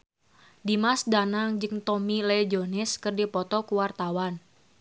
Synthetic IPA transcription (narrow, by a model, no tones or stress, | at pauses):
dimasdanaŋd͡ʒɨŋt̪ɔmilɛd͡ʒonɪskɨrdipɔt̪ɔkuwart̪awan